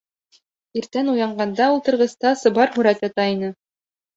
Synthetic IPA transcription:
iɾt̪ænujɑɴɢɑnd̪ɑulˠt̪ɤ̆ɾʁɤ̆st̪ɑsɤ̆bɑɾhuɾæt̪jɑt̪ɑinɤ

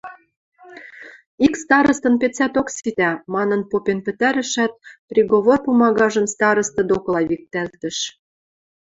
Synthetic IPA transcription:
ikst̪ɑɾɤ̆st̪ɤ̆npet͡sæt̪oksit̪æmɑnɤ̆npopenpɘ̆t̪æɾɘ̆ʃæt̪̚pɾʲiɣoβorpumɑɣɑʒə̆mst̪ɑɾɤ̆st̪ɤ̆d̪oklɑβik̚t̪ælt̪ə̆ʃ

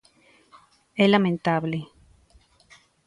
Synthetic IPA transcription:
elamẽnt̪aβle

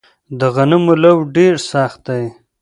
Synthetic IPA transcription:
d̪əɣanəmulawɖeɾsaxt̪̚d̪aj

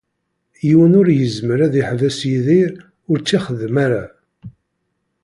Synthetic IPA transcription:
jiwənʊɾjəzməɾæðiħvæsjiðiɾ | ʊɾt͡sːiχəðmaɾa

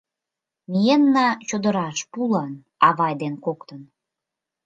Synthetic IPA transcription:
mijenːɑt͡ɕod̪əɾɑʃpulɑn | ɑβɑjd̪enkokt̪ən

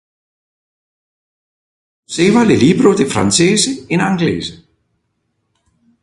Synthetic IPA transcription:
sevaleliːbɾod̪efɾa̰nt͡seːzəɪnaŋɡlḛːzə

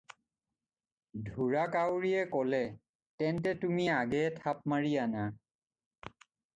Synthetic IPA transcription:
dʱuɹakawɹijɛkɔlɛ | tɛntɛtumiaɡɛtʰap̚maɹijana

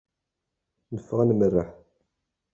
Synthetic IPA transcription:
məfːəʁanmərːəħ

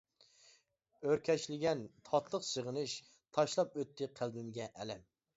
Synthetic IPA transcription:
øɾkʲʰɛt͡ʃlɪɡʲɛnt̪ʰɑt̪ʰlˠəqsəʁənɨʃ | t̪ʰɑʃlˠɑp̚øt̪ʰːɪqʰælbɪmɡʲɛʔɛlɛm

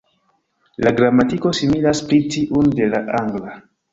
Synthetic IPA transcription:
laɡɾamatiko̞similaspɾit͡ʃiʔunde̞laʔaŋɡla

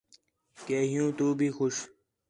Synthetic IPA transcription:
keːɦijũːt̪oːbʱiːxʊɕ

